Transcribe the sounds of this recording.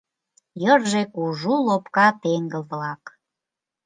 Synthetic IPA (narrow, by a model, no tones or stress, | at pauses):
jərʒekuʒulopkɑt̪eŋɡəlβlɑk